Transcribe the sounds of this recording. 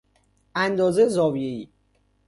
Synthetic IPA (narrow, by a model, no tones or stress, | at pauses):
ʔænd̪ɒːzezɒːvijeiː